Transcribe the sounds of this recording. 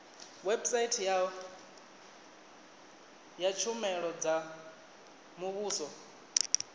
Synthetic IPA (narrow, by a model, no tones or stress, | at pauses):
wɛbsaitʰja | jat͡ʃʰumɛɺɔd͡za | muβuːsɔ